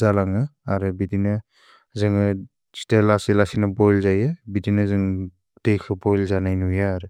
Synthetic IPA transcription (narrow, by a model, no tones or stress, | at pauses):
zalaŋɯaɾɯbidinɯ | zɯŋɯ | si̥telasilasinabɔjlzajɯbidinɯzɯŋ | tejkʰɯbɔjlzanajnujaːɾɯ